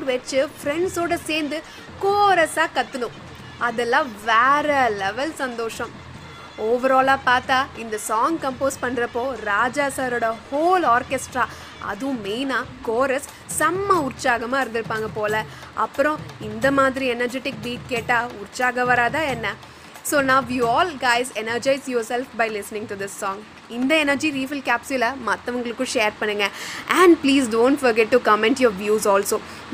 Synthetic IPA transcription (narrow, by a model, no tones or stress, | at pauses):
ʋɐt͡ʃːɯfɾɛɳɖsoːɽɐseːɾnd̪ɯ | koːɾɐsaːkɐt̪ːɯnʊ̃ | ɐðɛlːãːʋɛːɾɐlɛʋɐlsɐnd̪oːʂɐ̃m | oːʋɐɾaːlaːpaːɾt̪aːɪnd̪ɐsaːŋɡkɐmpoːspɐɳːɾɐpːoːɾaːd͡ʒaːsaːɾoːɽɐhoːlaːɾkesʈɾaː | ɐ̰ðɯ̃miːnaːkoːɾɐsː | ɐmːɐʊɾt͡ʃaːɣɐmaːɪɾɯnd̪ɪɾɯpːaːŋɡɐpoːlɐ | ʔɐpːɯɾõɪnd̪ɐmaːðɪɾiɛnɐɾd͡ʒɛʈɪk̚biːʈ̚keːʈːaːʊɾɪt͡ʃaːɣɐʋɐɾaːt̪ãːɛnːɐ | soːnãːʋjiːɔːlɡaɪzɛnɐɾd͡ʒɐɪsjoːɾsɛlfbɐɪlɪsnɪ̃ŋʈud̪ɪsːɔːŋɡ | ɪnd̪ɐɛnɐɾd͡ʒiɾiːʋɪlkaːpsʊlɐmɐt̪ːɐʋɐŋɡɐɭɯkːʊ̃ʃeːɾpɐɳːɯŋɡɐʔɐɳɖpliːsɖõːɳʈfɐɾɡɛʈːukɐmɛ̃ɳʈjoːɾʋjuːsɔːlsoː